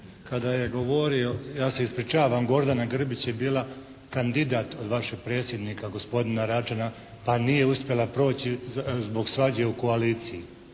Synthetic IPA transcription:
kad̪aje̞ɡo̞ʋo̞ɾio̞jaːse̞ispɾit͡ʃaːʋamɡo̞ɾd̪anaɡr̩bit͡ɕje̞biːlˠa | kand̪id̪aːt̪o̞d̪ʋaʃeɡ̥̚pɾe̞ːt̪sje̞d̪niːkaɡo̞spo̞d̪inaɾat͡ʃana | panije̞uspje̞lˠapɾo̞ːt͡ɕizbo̞ɡsʋad͡ʑeuko̞aliːt̪siji

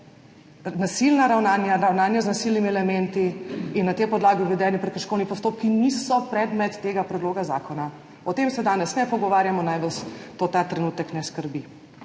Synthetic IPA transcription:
nasilnaɾawnaːnjaɾawnaːnjaznasilnimiɛlɛmɛnt̪iinːat̪epɔd̪laːɡiʋid̪ɛːnipɾɛkəʃkɔwnipɔst̪oːp̚kinisɔpɾɛd̪mɛt̪ːeːɡapɾɛd̪loːɡaza̰ːkɔna | ɔt̪emsɛd̪aːnɛsnɛpɔɡɔʋaːɾjamɔnajʋəst̪ot̪at̪ɾɛnuːt̪əknɛskəɾbi

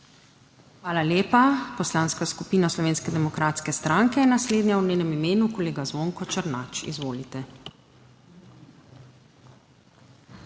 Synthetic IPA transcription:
xʋaːlaljeːpapɔslaːnskaskupiːnaslɔʋeːnskɛd̪ɛmɔkɾaːt̪skɛst̪ɾaŋkɛnasleːd̪nɲjawneːnɛmimeːnukoleːɡazʋoːŋkɔt͡ʃəɾnaːt͡ʃḭzʋoːlit̪ɛ

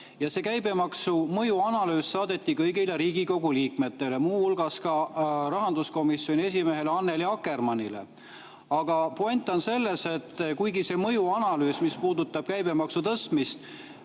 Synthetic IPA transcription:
jɑse̞kæjbe̞mɑksumɤjuɑnɑlyːsːɑːd̪̥e̞t̪ːikɤjɡileɾiːɡiko̞ɡ̥uliːkme̞t̪ːe̞le̞muːhulɡ̥ɑskɑrɑɦɑnd̪usko̞misːˑjo̞nie̞s̬ʲime̞ɦe̞leɑnːeliɑkːˑe̞rmɑnʲile̞̰ | ɑɡ̥ɑpoenʲt̪ːˑo̞nse̞lːe̞se̞t̪ːkujɡise̞mɤjuɑnɑlyːsmispuːd̪ut̪ːˑɑb̥kæjbe̞mɑksut̪ɤst̪mist̪

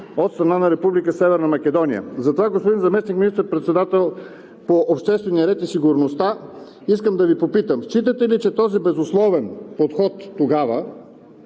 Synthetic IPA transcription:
ot̪st̪ɾɐnanɐɾɛpublikəsɛvɛɾnɐmɐkɛd̪ɔnʲiə̰zɐt̪ovaɡospod̪inzɐmɛsnikminist̪əɾpɾɛt̪sɛd̪at̪ɛlˠ | poʔopʃt̪ɛst̪vɛniəɾɛt̪isiɡʊɾnost̪a | iskəmd̪ɐvipopit̪əmʃt͡ʃit̪ət̪ɛlit͡ʃɛt̪ɔzibɛzʊslˠɔvɛnpot̪xɔt̪ːoɡavə

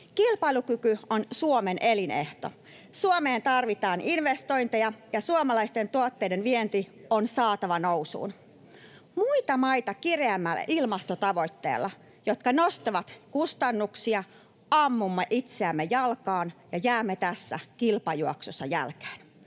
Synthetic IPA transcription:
kilpɑilukykyonsuomenʔelinḛht̪o̰ | suomeːnt̪ɑrʋit̪ɑːninʋest̪oint̪ejɑjɑsuomɑlɑist̪ent̪uot̪ːeidenʋient̪ionsɑːt̪ɑʋɑnousṵːn | muit̪ɑmɑit̪ɑkireæmːælːæ̰ʔilmɑst̪ot̪ɑʋo̞jt̪ːḛːlːɑ | jot̪kɑnost̪iʋɑt̪kust̪ɑnːuksiɑ | ɑmːumːɑʔit̪seæmːejɑlkɑːnjɑjæːmːet̪æsːæ̰kilpɑjuɑksosːɑjæ̰lke̥ːn

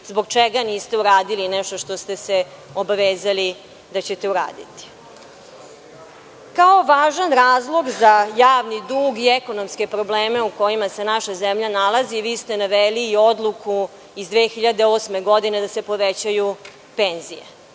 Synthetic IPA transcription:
zbo̞ɡ̚t͡ʃeɡaniːst̪euɾaːd̪ilinɛʃt̪o̞ʃt̪o̞st̪e̞se | o̞baʋeːzali | d̪at͡ɕe̞t̪e̞uɾa̰ːd̪ḭt̪i̥ | kao̞ʋaːʒanɾaːzlˠo̞ɡzajaːʋnid̪uːɡieko̞no̞mske̞pɾo̞bleːmeuko̞jimase̞naʃazemʎanalˠaziʋiːst̪e̞naʋeliːo̞d̪lukʰu | izd̪ʋeːxiʎad̪eoːsme̞ɡo̞d̪ine̞d̪ase̞po̞ʋet͡ɕaju | penzijḛ

